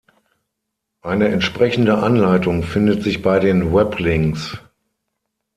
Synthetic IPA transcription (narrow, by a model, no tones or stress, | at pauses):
ʔaɪnəɛntʃpʁ̥ɛçn̩dəʔanlaɪtʊŋfɪndətz̥ɪçb̥aɪdeːnwɛplɪŋs